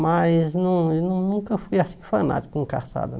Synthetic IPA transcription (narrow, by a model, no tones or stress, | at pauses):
majznɐ̃w̃ewnɐ̃w̃nũŋkɐfujasĩfɐna̰t͡ʃi̥kʊĩŋka̰sa̰d̪ɐ